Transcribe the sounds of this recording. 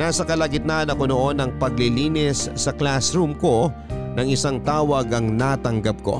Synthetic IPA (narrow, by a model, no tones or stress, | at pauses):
naːsɐkɐlɐɡɪt̪̚nanɐko̞no̞ʔo̞nɐŋpɐɡ̚lɪliːnɪsːɐklasɾumko̞ | nɐŋɪsaŋt̪aːwɐɡʔɐŋnat̪ɐŋɡɐp̚ko̞̰